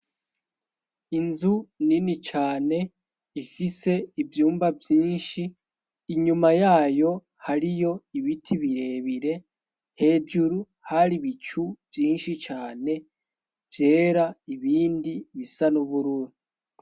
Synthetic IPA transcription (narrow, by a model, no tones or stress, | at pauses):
inzuninit͡ʃaːne̞ | ifise̞ivjuːmbavjiːnʃiː | ɲumajaːjo̞ | haɾijo̞iβitʰiβiɾe̞βiɾe̞ | he̞d͡ʒuɾu | haɾiβit͡ʃuvjiːnʃit͡ʃaːne̞ | vje̞ːɾaiβiːndiβisanuβuɾuɾi